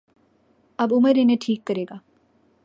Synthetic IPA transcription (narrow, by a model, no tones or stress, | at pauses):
ɐbʊməɾinẽʈʰiːkːəɾeːɡaː